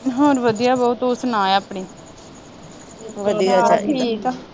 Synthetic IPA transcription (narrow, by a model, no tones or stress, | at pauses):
ɦoːɾʋəd̪ijaːbɔːt̪oːsnaːaːpɳiː | ʋəd̪ijat͡ʃa